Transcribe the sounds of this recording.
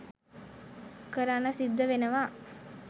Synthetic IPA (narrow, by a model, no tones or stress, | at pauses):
kəɾaːnəsid̪ːəʋenəʋaː